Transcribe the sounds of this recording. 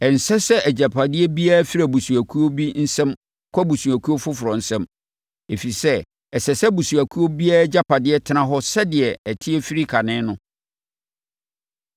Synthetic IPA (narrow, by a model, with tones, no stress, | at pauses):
ɛ˨n̩˨sɛ˦sɛ˦ʔæ˨d͡ʑa˨pʰa˨dɪ˦ɛ˦bi˦a˦fi˦ɾa˨bu˨su˨æ˨kʰu˦o˦bi˦n̩˦sɛ̃˦m | kʷʰɔ˦bu˨su˨æ˨kʰu˦o˦fʊ˦fʊ˨ɾɔ˨n̩˨sɛ̃˦m | e˨fi˨sɛ˦ | ɛ˨sɛ˨sɛ˦bu˨su˨æ˨kʰu˦o˦bi˦a˦d͡ʑa˦pʰa˨dɪ˦ɛ˦tʰɪ˦nã˦ɦɔ˦sɛ˦dɪ˨ɛ˨ɛ˨tʰɪ˦ɛ˦fi˦ɾi˦kʰa˨nɪ̃˦nʊ̃˦